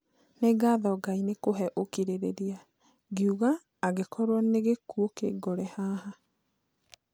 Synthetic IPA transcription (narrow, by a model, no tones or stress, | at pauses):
neɡaðɔɡainekoɦɛʔokiɾeɾeɾia | ɡiuɣaː | ɣekʰɔɾwaneɣekuokḛɡɔɾɛhaːha